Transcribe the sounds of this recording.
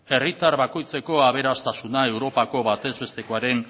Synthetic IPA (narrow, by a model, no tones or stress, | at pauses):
e̞rit̪aɾβako̞jt͡se̞ko̞aβ̞e̞ɾast̪asunae̞wɾo̞pako̞βat̪e̞zβe̞st̪e̞koaɾe̞n